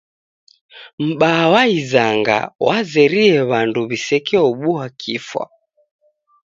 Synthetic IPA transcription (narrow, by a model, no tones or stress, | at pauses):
m̩ɓaːwaizaŋɡa̰wazɛɾiɛβanduβisɛkɛɔɓuwakʰifwa̰